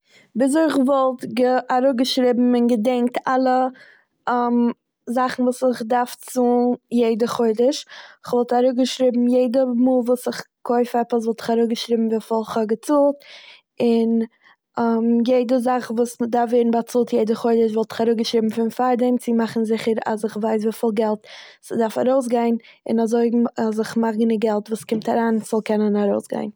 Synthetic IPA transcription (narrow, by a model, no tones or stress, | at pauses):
bɪs̬ɔɪχvɔlˠtɡəaɾʊɡəʃɾɪbm̩ɪnɡədɛŋk̚tʰalˠə | m | zaχn̩vuːsɪχdaɾft͡suːnjeɪdəχoɪdəʃɪχvɔlˠtaɾʊɡəʃɾɪbm̩jeɪdəmuːlˠvuːsɪχ | kʰoɪfɛpəsvɔlˠtɪ̥χaɾʊɡəʃɾɪbm̩viːfɔlˠχhɔɡət͡suːlˠt | ɪn | amjeɪdəzaχvuːsdaɾfveːɾn̩bat͡suːlˠtjeɪdəχoɪdəʃvɔlˠtɪ̥χaɾʊːɡəʃɾiːbm̩fɪnfaɾdɛmt͡sɪmaχn̩zɪχəɾa̰sɪχvaɪs̬viːfiːlˠɡɛlˠtsdaɾfa̰ɾoʊs̬ɡaɪnɪ̰nazoɪas̬ɪχmaχɡɪnəɡɛlˠtvuːskɪmtaɾaːnz̥ɔlˠkɛnənaɾoʊsɡa̰ɪn